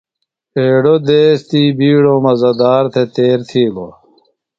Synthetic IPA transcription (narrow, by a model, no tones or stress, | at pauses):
eːɽod̪eːst̪iːbiːɽomɐzɐd̪aːɾt̪ʰet̪eːɾt̪ʰiːlo̰